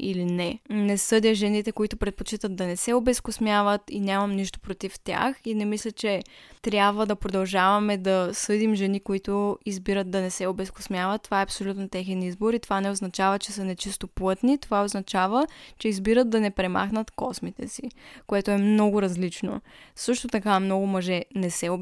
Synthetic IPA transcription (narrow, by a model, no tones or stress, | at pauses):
ḭlinɛnɛsɤd̪ʲjəʒɛnit̪ɛkoit̪ʊpɾɛt̪̚pot͡ʃit̪ət̪̚d̪ɐnɛsɛobɛskosmjavət̪ḭnʲamɐmniʃt̪o̥pɾot̪ift̪ʲja̰xinɛmislʲət͡ʃɛ | t̪ɾʲjabvəd̪ɐpɾod̪ɐlˠʒavɐmɛd̪ɐsɤd̪imʒɛnikoit̪ʊizbiɾət̪̚d̪ɐnɛsɛobɛsko̥smjavɐt̪ːovaɛɐpsolʲut̪not̪ɛxɛnizboɾit̪ovanɛoznɐt͡ʃavət͡ʃɛsənɛt͡ʃist̪oplˠɤt̪nit̪ovaoznɐt͡ʃavət͡ʃɛizbiɾət̪̚d̪ɐnɛpɾɛma̰xnət̪kɔsmit̪ɛ̰sikoɛt̪oɛmnɔɡʊɾɐzlit͡ʃno̰sɤʃt̪ot̪ɐkamnɔɡʊmɐʒɛnɛsɛo